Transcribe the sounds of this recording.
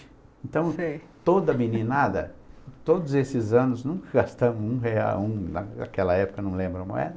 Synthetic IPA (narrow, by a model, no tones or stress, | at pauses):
ẽnt̪ɐ̃w̃si | t̪od̪ɐminĩnad̪ɐ̰t̪od̪ʊzesɪzɐ̃nʊznũŋkɐɡast̪ɐ̃mʊũɦea̰wũnɐna̰kɛlɐɛpʊ̥kɐnɐ̃w̃lẽmbɾɐ̃ɐmo̰ɛ̰d̪ɐ